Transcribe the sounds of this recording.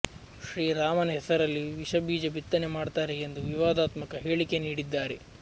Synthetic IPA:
ʃɾiːɾaːmɐnɐɦɛsɐɾɐlːiʋiʃɐbʱiːd͡ʒɐbʱit̪ːɐne̞maːɖt̪aːɾeːnd̪uʋiʋaːd̪aːt̪mɐkɐɦe̞ːɭike̞niːɽid̪ːaːɾe̞

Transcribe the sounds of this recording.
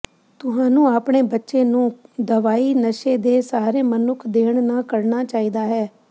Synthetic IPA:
t̪ʊɦãːnũːaːpɳ̃eːbətːʃeːnũːd̪əʋaːiːnəʃeːd̪eːsaːɾeːmənʊkʰd̪eːɳnaːkəɾɳaːt͡ʃaːiːd̪aːɦɛː

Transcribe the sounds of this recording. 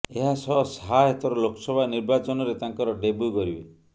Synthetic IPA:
eɦasɔsɦajet̪ɔɾɔlokʰɔ̥sɔbʱaniɾbat͡ʃɔnɔɾet̪aŋkɔɾɔɖebuɡɔɾibe

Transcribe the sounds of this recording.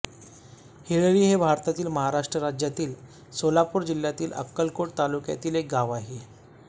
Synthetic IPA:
heɭəɭiːɦebʱaɾt̪at̪iːlməɦaɾaʂʈɾəɾad͡ʑjat̪iːl | solapuːɾd͡ʑiljat̪iːlʔə̰kːəlkoʈ̚t̪alukja̰t̪iːlek̚ɡaʋaɦe

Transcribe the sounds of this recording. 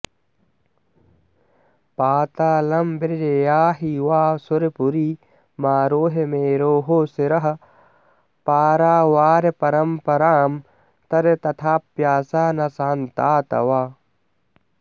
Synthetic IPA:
paːt̪aːlɐmbeɾd͡ʒejaːɦiwaːsuɾepuɾiː | maːɾoːɦemeːɾoːɦoːseɾɐɦɐ | paːɾaːwaːɾepɐɾɐmpɐɾaːm | t̪ɐɾet̪ɐt̪ʰaːpːjaːsaːnɐsaːnt̪aːt̪ɐ̰waː

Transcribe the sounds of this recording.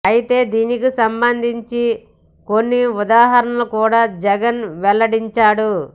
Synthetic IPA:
ɐjit̪e̞ːd̪iːnikisɐmbɐnd̪ʱiɲt͡ʃi | ko̞nːiud̪aːɦɐɾɐnɐlukuːɽaːd͡ʒɛɡɐnʋɛlːɐɽiɲt͡ʃaːɽu

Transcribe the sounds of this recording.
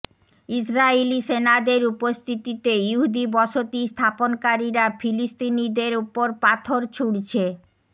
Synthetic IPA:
is̬ɾaelisenad̪eɾupost̪ʰit̪it̪ejuɦud̪ibɔʃot̪ist̪ʰaponkaɾiɾafʰilist̪inid̪eɾupoɾpat̪ʰoɾt͡ɕʰuɽt͡ɕʰe

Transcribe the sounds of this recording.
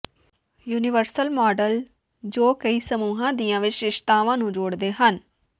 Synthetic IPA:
juːnɪʋəɾsəlmɔːɖəl | d͡ʒoːkəiːsəmuːɦãːd̪iːãːʋɪt͡ʃɪʃt̪aːʋãːnũːd͡ʒoːɽd̪eːɦən

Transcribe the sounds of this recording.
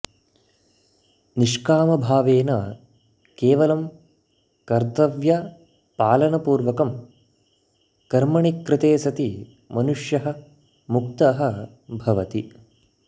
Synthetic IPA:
niʂkaːmɐbʱaːʋeːnɐ | keːʋɐlɐm | kɐɾt̪ɐʋjɐ | paːlɐnɐpuːɾʋɐkɐm | kɐɾmɐɳikɾɪt̪eːsɐt̪i | mɐnuʂjɐɦɐ̆ | mukt̪ɐɦɐ̆ | bʱɐʋɐt̪i

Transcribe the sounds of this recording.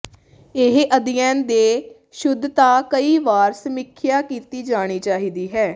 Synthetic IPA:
ɪɦʔəd̪ɪjɛ̃ːnd̪eː | ʃʊd̪t̪aːkəiːʋaːɾsəmɪkʰːjaːkiːt̪iːd͡ʒaːɽ̃iːt͡ʃaːɦiːd̪iːɦɛː

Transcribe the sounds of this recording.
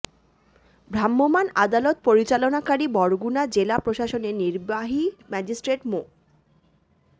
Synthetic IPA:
bʱɾamːomanad̪alot̪̚poɾit͡ɕalonakaɾibɔɾɡunad͡ʑelapɾoʃaʃoneniɾbaɦimɛd͡ʑisʈɾeʈmo

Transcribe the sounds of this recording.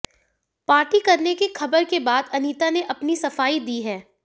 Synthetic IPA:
paːɾʈikɐɾnekixɐbəɾkebaːd̪ɐniːt̪aneʔɐpnisɐfaːid̪iɦɛː

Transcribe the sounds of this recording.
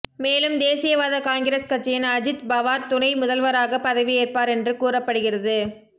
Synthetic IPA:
meːlɯmd̪eːsɪjɐʋaːðɐkaːŋɡɪɾeːskɐt͡ʃːɪjɪnɐd͡ʒɪt̪bɐʋaːɾt̪ʊnɐɪmʊðɐlʋɐɾaːɣɐpːɐðɐʋieːrpaːɾɛndrɯkuːrɐpːɐɽɯɣɪrɐðɯ

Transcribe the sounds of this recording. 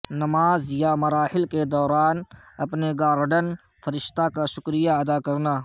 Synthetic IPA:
nɐmaːzjamɐɾaːhɪlked̪ɔːɾaːn | ɐpneɡaːɾɖən | fɐɾɪʃt̪akaʃʊkɾijaɐd̪aːkɐɾnaː

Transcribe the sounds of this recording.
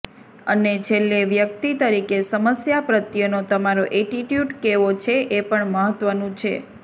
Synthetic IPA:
ənet͡ʃʰelːeʋjəkt̪it̪əɾikesəməsjapɾət̪jənot̪əmaɾoʔeʈiʈjuʈkeʋot͡ʃʰeʔepəɳməɦət̪ʋənũt͡ʃʰḛ

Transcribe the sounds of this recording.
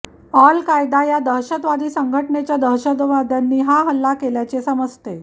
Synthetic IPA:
ɔlkajd̪ajad̪əɦɕət̪ʋad̪iːsəŋɡʱəʈɳet͡ɕjad̪ʱəɾɕəd̪ʋad̪ʱjanːiːɦaɦəlːakeljat͡ɕesəməd͡zt̪e

